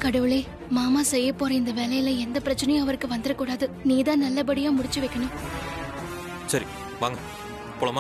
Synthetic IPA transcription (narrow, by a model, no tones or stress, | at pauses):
kɐɽɐʋɯɭeː | maːmaːsɛjːɐpːoːɾɐɪnd̪ɐʋeːlɐjɪlɐɛnd̪ɐpɪɾɐt͡ʃːɐnɐjõɐʋɐɾɯkːɯʋɐnd̪ɪɾɐkːuːɽaːðɯniːt̪ãːnɐlːɐbɐɽɪjãːmʊɽɪt͡ʃːɐʋɛkːɐɳi | sɐɾi | ʋaːŋɡɐ | pːʊɭɐma